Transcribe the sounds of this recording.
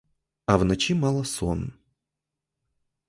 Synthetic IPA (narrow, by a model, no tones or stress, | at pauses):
ɐvnɐt͡ɕimalˠəso̰n